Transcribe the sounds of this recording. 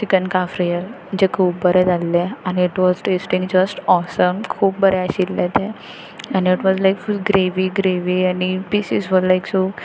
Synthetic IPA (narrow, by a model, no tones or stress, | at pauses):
t͡ɕikənkafɾijəlmənd͡ʑekʰuːbːəɾɛd͡zalːɛãniiʈʋɔzʈesʈĩŋd͡ʑəsʈɔsəmkʰuːp̚bəɾɛaɕilːet̪ɛ | ãniʈʋɔzlajkɡɾeʋiɡɾeʋianipisisʋəlajkso